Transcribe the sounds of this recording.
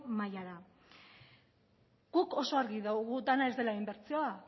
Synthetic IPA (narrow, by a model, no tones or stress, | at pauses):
majaɾa | ɡuko̞so̞aɾɣiðawɣud̪anae̞zd̪e̞laimbe̞ɾt͡sio̞a